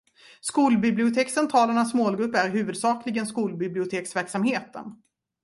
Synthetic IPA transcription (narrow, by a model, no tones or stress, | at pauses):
skuːlbɪblɪʊt̪ʰeːksɛnt̪ʰɑːlaɳasmoːlɡɾɵpːæɾɦʉ̟ːvɵd̪sɑːklɪɡənskuːlbɪblɪʊt̪ʰeːksvæɾksamheːt̪ə̰n